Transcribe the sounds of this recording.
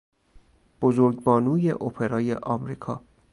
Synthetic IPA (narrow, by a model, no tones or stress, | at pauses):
b̥ozoɾɡbɒːnuːjḛʔopʰe̞ɾɒːje̞ʔɒːmɾiːkʰɒː